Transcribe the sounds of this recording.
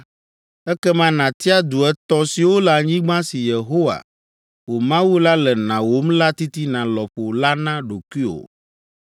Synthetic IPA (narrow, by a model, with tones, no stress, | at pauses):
ɛ˦kɛ˦mã˦nã˨t̪i˦a˦d̪u˨ɛ˦t̪ɔ˦si˨wo˦lɛ˨a˨ɲĩ˦ɡ͡bã˦si˨je˨ɦo˦wa̰˨ | wo˨mã˦wu˦la˦lɛ˨nã˨wo˦mla˦t̪i˦t̪i˦nã˨lɔ˨ɸo˨la˦nã˦ɖo˨kwi˦o̰˨